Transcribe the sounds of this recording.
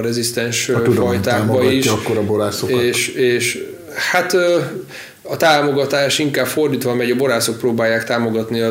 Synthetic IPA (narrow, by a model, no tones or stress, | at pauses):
ɾɛzist̪ɛnʃud̪ɒjt̪aːɡmbɒiʃɒkːoɾɒboɾaːsoeːʃeːʃ | hat̪ | ɒt̪aːmo̞ɡɒt̪aːʃiŋkaːbfo̞rd̪iːt̪ʋɒmɛɟɒbo̞ɾaːso̞k̚proːbaːjːaːkt̪aːmo̞ɡɒt̪niɒ